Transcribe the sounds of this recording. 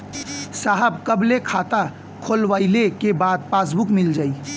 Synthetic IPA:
saɦəbkəblekʰat̪a | kʰolʋaɪlekebad̪̚pasbukmild͡ʒaːi

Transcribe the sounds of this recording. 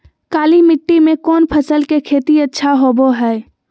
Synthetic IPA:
kaːlimɪʈːimẽkɔːnpʰəsəlkekʰeːt̪iɐtːʃʰaɦoːboɦɛː

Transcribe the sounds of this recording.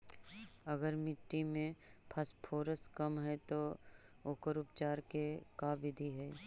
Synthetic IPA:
ɐɡəɾmɪʈːimẽpʰɐspʰoːɾəskəmɦɛt̪o | oːkəɾʊpt͡ʃaːɾkekaːʋɪd̪ʱiɦɛː

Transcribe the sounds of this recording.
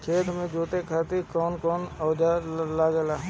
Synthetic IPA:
kʰeːt̪mẽd͡ʒuːt̪ekʰaːt̪ikɔːnkɔːnɔːd͡ʒaːlaɡɛlaː

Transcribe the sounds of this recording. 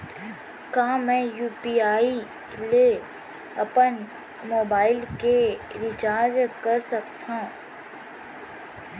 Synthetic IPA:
kãːmɛ̃ːjuːpiːaːi | le | ɐpən | moːbaːɪlkeɾɪt͡ʃaːɾd͡ʒkɐɾsɐkt̪ã

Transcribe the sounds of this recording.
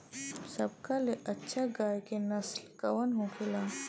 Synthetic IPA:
sɐb̚kaleʔɐtːʃʰaɡaːjkenɐslkɐwənɦõkʰɪlaː

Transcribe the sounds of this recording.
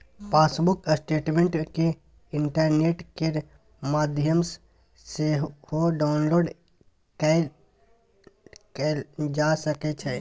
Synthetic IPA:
pʰaːsbʊksʈeːʈmẽːɳʈke | ɪɳʈəɾneːʈke | maːd̪ʱjəms | sehoɖaːʊnloːɖ | kɛ | ked͡ʒaːsəket͡ʃʰɛː

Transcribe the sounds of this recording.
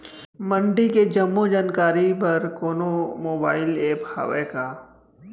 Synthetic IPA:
mə̃ɳɖiked͡ʒɐmːod͡ʒaːnkaːɾipɐɾkoːnomoːbaːɪleːpha̰ːʋeːkaː

